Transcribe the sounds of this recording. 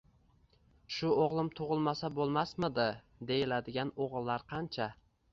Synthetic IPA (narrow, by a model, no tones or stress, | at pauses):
ʃʊoʁlˠɪmt̪ʰʊʁɨlˠmasabolˠmasmɪd̪ɪ | d̪e̞jɪlad̪ɪɡʲanoʁlˠːaɾqʰɑnt͡ʃʰa